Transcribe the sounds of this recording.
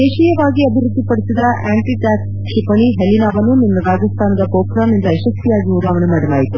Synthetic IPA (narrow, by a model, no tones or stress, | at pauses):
eːʃijɐʋaːɡiɐbʱiɾud̪ʱːipɐɽisid̪ɐʔaːɳʈiʈaːks | ʂipɐɳiɦelinaːʋɐnuninːɐɾaːd͡ʒɐst̪ʰaːnɐd̪ɐkoːkɾaːnind̪ɐjeʃɐst̪ʰijaːɡiud̪aːʋɐnemaːɽɐlaːjit̪u